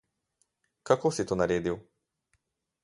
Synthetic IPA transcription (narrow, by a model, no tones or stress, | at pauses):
kakoːsit̪oːnaɾeːd̪iw